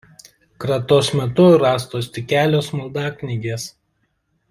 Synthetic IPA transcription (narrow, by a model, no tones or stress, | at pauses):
kɾɐt̪oːsmʲɛt̪ʊɾɑːst̪oːsʲt̪ʲɪkʲæːlʲoːsmʊlˠd̪ɑːkʲnʲɪɡʲeːs